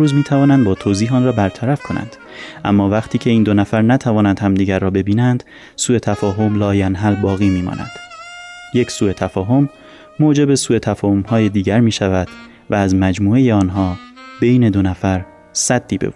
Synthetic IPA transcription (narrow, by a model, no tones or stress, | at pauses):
ɾuːzmiːt̪ʰævɒːnænd̪bɒːt̪ʰoːziːhɒːnrɒːbæɾt̪ʰæɾæfkʰo̞næ̰nd̪̥ | ʔæmːɒːvæɣt̪ʰiːcʰeiːnd̪o̞næfæɾnæt̪ʰævɒːnænd̪̥hæmd̪iːɟæɾːɒːbe̞biːnænd̪̥ | suːe̞t̪ʰæfɒːɦo̞mlɒːjænɦælbɒːɣiːmiːmɒ̰ːnʔæ̰d̪̥ | jecʰsuːe̞t̪ʰæfɒːɦo̞mː | oːd͡ʒe̞be̞suːe̞t̪ʰæfɒːhomhɒːje̞d̪iːɟæɾmiːʃævæd̪̥ | væːzmæd͡ʒmuːe̞je̞ɒːnɦɒːb̥e̞jne̞d̪o̞næfæɾ | sæd̪ːiːbḛb